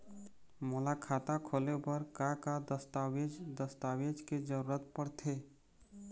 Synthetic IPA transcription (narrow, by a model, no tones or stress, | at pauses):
moːlakʰaːt̪akʰoːlepəɾkakad̪əst̪awed͡ʒd̪əst̪aːwed͡ʒked͡ʒəɾuːɾət̪̚pəɾt̪ʰeː